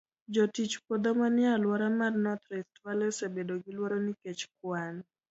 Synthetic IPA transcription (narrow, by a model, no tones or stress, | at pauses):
d͡ʒɔtit͡ʃpɔd̪ɔmanɪalwaɾamarnɔt̪ɾɛstwalɛsebedoɡilwaɾɔniket͡ʃkwan